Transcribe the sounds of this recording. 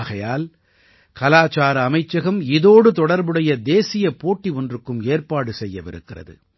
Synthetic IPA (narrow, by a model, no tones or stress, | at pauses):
ɣɐjaːl | kɐlaːt͡ʃaːɾɐːmɐɪt͡ʃːɐɣɐmɪðoːɽɯt̪ɔɽɐɾbɯɽɐjɐd̪eːsɪjɐpoːʈːiɔndrɯkːɯmeːrpaːɽɯsɛjːɐʋɪ̰ɾɯ̰kːɪrɐ̰ðɯ̰